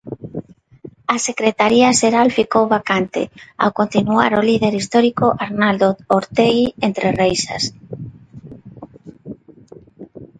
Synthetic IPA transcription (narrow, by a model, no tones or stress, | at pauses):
asekɾet̪aɾiaʃeɾalfikowβakant̪ɪ̰a̰wkont̪inuaɾoliðeɾist̪ɔɾikoʔaɾnald̪ooɾt̪eɣient̪ɾʔerejsa̰s